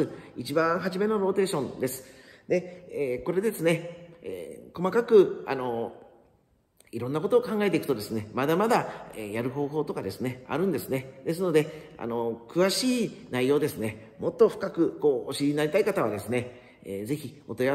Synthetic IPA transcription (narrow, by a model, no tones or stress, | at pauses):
ɨit͡ɕibãɰ̃ɦaʑime̞no̞ɾo̞ːt̪e̞ːɕõ̞nd̪e̞sɨ̥d̪e̞eːko̞ɾe̞d̪e̞sɨne̞ḛko̞makakɯ̟a̰no̞ | iɾõ̞nːako̞t̪o̞ːkãŋɡae̞t̪e̞ikɯ̟t̪od̪e̞sɨne̞mad̪amad̪aejaɾɯ̟ɦo̞ːɦo̞ːt̪o̞kad̪e̞sɨne̞a̰ɾɯ̟̃nd̪e̞sɨne̞d̪̥e̞s̬ɨno̞d̪e̞a̰no̞kɯ̟βaɕiːnaijo̞ːd̪e̞sɨne̞ | mo̞t̪ːo̞ɸɯ̥kakɯ̟ko̞ːoɕiinaɾʲit̪aikat̪aβad̪e̞sɨne̞ | eːze̞çio̞t̪o̞ja